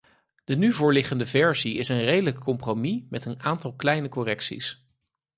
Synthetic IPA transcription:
d̥ənyvʊːɹlɪχəndəvɛɹziɪsənrejdələkʰːɔmpromimɛtənaːntɑlˠklɛjnəkɔrɛksḭs

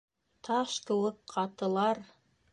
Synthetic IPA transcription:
t̪ʰɑʃt̪ɤ̆lˠɤqʰːɑt̪ɤ̆lˠɑɾ

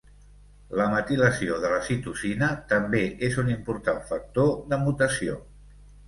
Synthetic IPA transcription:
ləmət̪iləsioðələsit̪uzinət̪əmbeʔezunimpuɾt̪aɱfək̚t̪oðəmut̪əsio

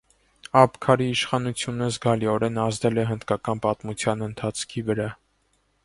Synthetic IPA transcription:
ɑpkʰɑɾiːʃχɑnut͡sʰjunəzɡɑliɔɾɛnɑzd̪ɛlɛɦənd̪kɑkɑnpɑt̪mut͡sʰjɑnənt̪ʰɑt͡sʰkʰivəɾɑ

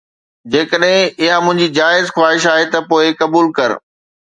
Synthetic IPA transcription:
d͡ʑeːkəɗɦɪ̃ɪɦamʊ̃ɦɪ̃ɲd͡ʑid͡ʑaːɪzxwaːɦɪʃaːɦet̪ɐpoːɪkɐbuːlkɐɾ

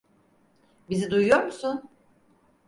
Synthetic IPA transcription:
bizid̪ujujoɾmusun

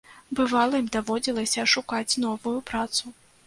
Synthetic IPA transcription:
bɨvalˠɐimʲd̪avɔd͡zʲilˠɐsʲɐʂukat͡sʲnɔvujupɾat̪su

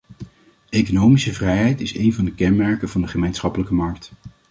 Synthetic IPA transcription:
ejkonowmisəvrɛjɦɛjtɪsejnvɑndəkɛnmɛɹkəvɑndəχəmejnsχɑpələkəmɑɹkt

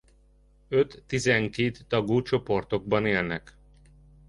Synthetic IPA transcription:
øt̪ːizɛŋkeːt̪ːɒɡuːt͡ʃo̞po̞rt̪o̞ɡ̚bɒneːlnɛk

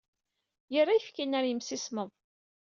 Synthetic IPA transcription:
jərˤːajəfkinæɾjəmsisməðˤ

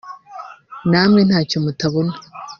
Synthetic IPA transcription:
naːmŋe̞n̥haːcomutaβonḁ

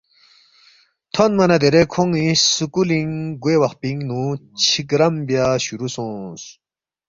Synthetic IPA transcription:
t̪ʰonmɐnad̪eɾekʰoŋisukuliŋɡwewaχpiŋnut͡ɕʰikɾɐmbjaɕuɾusũs

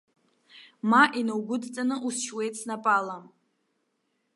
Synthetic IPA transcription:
maʔinawɡʷʊdt͡sʼanɨʔusʃwe̞jt͡sʰnapʼalam

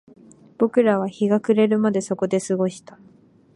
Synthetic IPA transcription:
b̥o̞kɯ̟ɾaβ̞açiɡakɯ̟ɾe̞ɾɯ̟mad̪e̞so̞ko̞d̪e̞sɨɡo̞ɕi̥t̪ḁ

